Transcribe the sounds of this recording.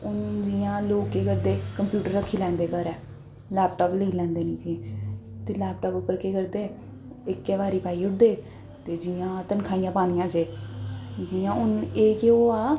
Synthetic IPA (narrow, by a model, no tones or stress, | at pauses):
ʊnd͡ʒɪjãːloːkːeːkəɾd̪eːkəmpjuːʈəɾːəkʰːiːlɛ̃ːnd̪eːkəɾɛː | lɛːp̚ʈaːpləiːlɛ̃ːnd̪eːnĩːd͡ʒiẽːt̪eːlɛːpʈaːpʊpːəɾkeːkəɾd̪eː | ɪkːɛːʋaːɾiːpaːiːʊʈd̪eː | t̪eːd͡ʒɪjãːt̪ənkʰaːijãːpaːnijãːt͡ʃeː | d͡ʒɪjãːʊneːkeoːaː